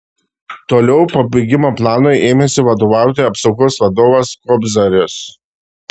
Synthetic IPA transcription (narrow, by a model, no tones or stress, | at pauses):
t̪oːlʲɛʊpɐbʲɪɡʲɪmoːplˠɑːnoɪʔeːmʲɛsʲɪʋɐd̪oːʋɑˑʊt̪ʲeːɐpsɒʊɡoːsʋɐd̪oːʋɐskɔbʲzɐɾʲɪs